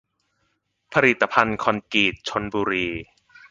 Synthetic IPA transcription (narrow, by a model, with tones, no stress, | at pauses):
pʰa˧ɾi˨˩t̪ːa˧pʰa˧nkʰɔ˧nkiː˨˩t̪̚t͡ɕʰo˧nbuː˧ɾiː˧